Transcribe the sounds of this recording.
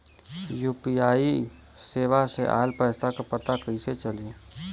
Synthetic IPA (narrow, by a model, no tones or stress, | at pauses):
juːpiaːi | seːʋaseʔa̰ːlpɛːst̪akopɐt̪akəiset͡ʃɐlieː